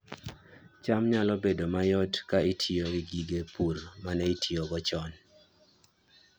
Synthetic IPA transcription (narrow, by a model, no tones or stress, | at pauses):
t͡ʃamɲalɔbedomajɔtkaitʰioɡɪɡiɡepʰurmanɛitʰioɡɔt͡ʃɔn